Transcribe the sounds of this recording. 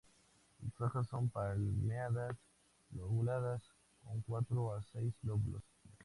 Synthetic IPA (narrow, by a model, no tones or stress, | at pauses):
efɾoxasːompaɾmeaðas | loɣulaðas | koŋkwat̪ɾoasejsloβlo̰s